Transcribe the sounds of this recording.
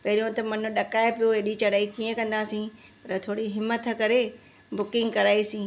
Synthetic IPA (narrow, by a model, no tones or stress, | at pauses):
pɐɦɪɾijõt̪ɐmɐn̤ʊ̆ɗɐkaːepijoeɗit͡ɕɐɽaːikiə̃kɐ̃nd̪aːsĩ | pɐɾət̪ʰoːɽiɦɪmət̪ʰə̆kɐɾe | bʊkɪ̃ŋɡkɐɾaːisĩː